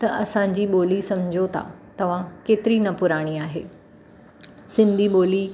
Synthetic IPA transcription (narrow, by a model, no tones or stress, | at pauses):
t̪ɐʔɐsãɲ̆d͡ʑiːɓoːlisɐmd͡ʑʱot̪ʰa̰t̪ɐʋ̤ãkeːt̪ɪɾinɐpʊɾaːɽ̃iaːɦḛː | sɪ̃nd̪ʱiɓoːli